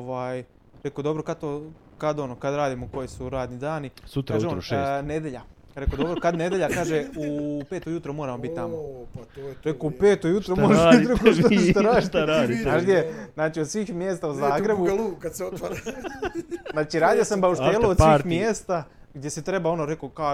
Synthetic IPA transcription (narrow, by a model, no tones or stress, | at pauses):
ʋaːj | ɾekod̪o̞bɾokad̪t̪o | kad̪o̞nokad̪ɾaːd̪imoko̞jisuɾaːd̪nid̪aːnisut̪ɾaːʒeone̞d̪ʲjeʎakɾekod̪o̞bɾokad̪ned̪jeʎakaːʒeupeːt̪ojut̪ɾomoːɾamobit̪t̪ːamooɾekoupeːt̪ojut̪ɾomoʒit̪ɾokot̪oet̪aɾaːit̪aɾaːd̪iaʃd̪jeznaːt͡ʃiod̪sʋiːxmjeːst̪auzaːɡɾebulˠuːkad̪seot̪ʋaɾa | znaːt͡ʃiɾaːd̪ijosambauʃt̪elood̪sixmmjeːst̪a | ɡd̪ʲjesit̪ɾe̞bao̞noɾe̞koka